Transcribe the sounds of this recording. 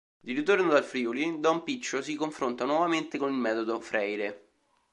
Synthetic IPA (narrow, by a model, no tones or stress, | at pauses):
d̪iɾit̪ornod̪alfɾiolid̪ɔmpit͡ʃːosikoɱfɾont̪anwɔvament̪ekonilmɛːt̪od̪ofɾʔɛjɾe